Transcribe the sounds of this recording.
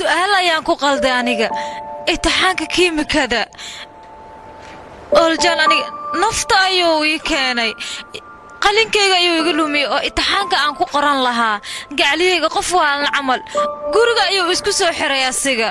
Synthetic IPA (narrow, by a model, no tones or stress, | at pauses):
sʊʔaːlɐjaːŋkʰʊqɑld̪ɛjɐnɪɣɐʔɪt̪ʰːɪħaːŋkʰɐkʰiːmɪkʰɐðɐ | ʔɔlt͡ʃɐnɐnɪɣɐnɐft̪ʰɐɐjoːiːkʰɛːnɛj | qɑlɪŋkʰɛjɣɐɐjuwɪɣɐlʊmɪjɔɔːʔɪt̪ːɪħaːŋkʰɐaːŋkʰʊqɔɾɐnlɐɦaːɡɑʕlɪhɛjɣɐqɔfwɑːlnɐʕɑmɐlɡʊɾɪɣɐːjoːwɪskʰʊsɔːħɪɾɛjɐsɪɣɐ